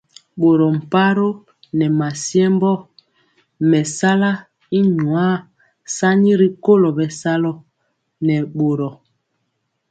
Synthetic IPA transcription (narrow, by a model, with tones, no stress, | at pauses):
ɓo˨ɾɔ˨m̩˨pa˦ɾo˦ | nɛ˨ma˨sjɛ˦mbɔ˦ | mɛ˨sa˦la˦ | i˦ɲwa˦ | sa˦ɲi˦ɾi˦ko˦lɔ˨bɛ˨sa˦lɔ˦ | nɛ˨ɓo˨ɾɔ˨